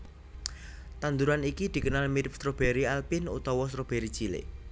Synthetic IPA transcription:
t̪and̪uɾanikid̪̥i̤kənalmiɾɪp̚st̪ɾob̥eɾialpinṵt̪ɔwɔs̬ɾob̥eɾi̥t͡ʃilḛ

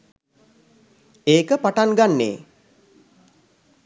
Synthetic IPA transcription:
eːkəpaʈaŋɡanːḛː

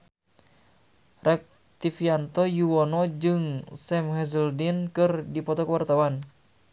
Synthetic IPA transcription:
rɛk̚ | t̪ifiant̪ɔjuwɔnɔd͡ʒɨŋsɛmhɛzəldinkɨrdipɔt̪ɔkəwart̪awan

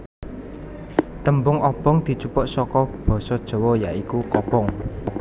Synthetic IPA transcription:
t̪əmbʊŋɔb̥ɔ̤ŋd̪̥i̤t͡ʃupʊʔsɔkɔb̥ɔ̤sɔd̥ʒ̥ɔ̤wɔjaikukɔpɔŋ

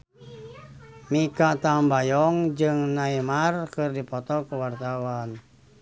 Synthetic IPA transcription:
mikat̪ambajɔŋd͡ʒɨŋnaimarkɨrdipɔt̪ɔkuwart̪awan

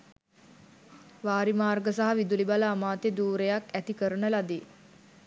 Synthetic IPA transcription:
ʋaːɾimaːrɡəsaɦaʋid̪ulibaləːmaːt̪ed̪uːɾejakæt̪ikəɾənəlad̪i

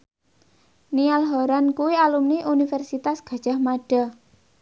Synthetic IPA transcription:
nialɦɔɾankuwialumniʔunifɛrsit̪asɡ̥ä̤d̥ʒ̥a̤hmaɖ̥a

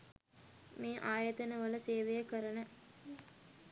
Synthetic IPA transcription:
meːʔaːjɐt̪ɐnəʋəlɐseːʋejəkəɾɐnə

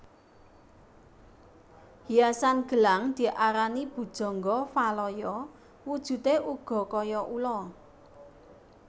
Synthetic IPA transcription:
hiasanɡ̥ə̤laŋd̪̥i̤ʔaɾanib̥ṳd̥ʒ̥ɔ̤ŋɡɔfalɔjɔ | wud̥ʒ̥ṳt̪eʔuɡ̥ɔ̤kɔjɔʔulɔ

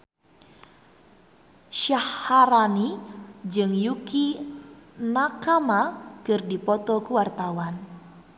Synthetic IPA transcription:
ʃahːaɾanid͡ʒɨŋjuki | nakamakɨrdipɔt̪ɔkuwart̪awan

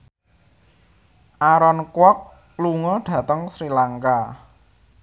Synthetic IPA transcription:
ʔaɾɔnkwɔk̚ | luŋɔɖ̥ä̤t̪əŋsɾilaŋka

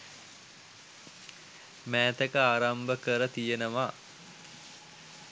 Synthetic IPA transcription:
mæːt̪əkəaːɾambəkəɾət̪ijenəʋaː

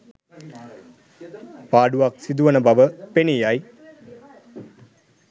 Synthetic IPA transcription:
paːɖuʋaːksid̪uʋɐnɐbɐʋəpenijaːji

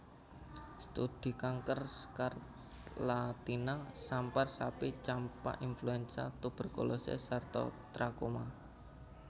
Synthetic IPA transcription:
st̪ud̪̥i̤kaŋkərskart̪ | lat̪inasamparsapit͡ʃampa̰ʔinfluɛnsa̰t̪ub̥ə̤rkolosḛsart̪ɔ̰t̪ɾakoma

